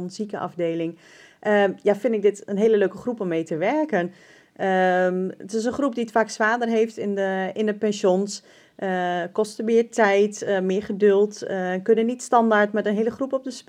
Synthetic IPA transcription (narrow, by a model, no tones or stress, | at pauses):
nsikəʔɑ̰fdeːlɪŋ | ʔəjafɪndɪk̚dɪtənɦeːləløːkəxrupɔmːejtəʋɛrkən | əmətɪs̬ənxrupdiətfaksʋaːdərɦeːftɪnəɪndəpɛnsjons | ʔəkɔstəʋɪːəɹtɛjtəmɪːəχədʏlˠtnkønənitstɑndaɹtmɛtənɦeːləxrupɔp̚dəsp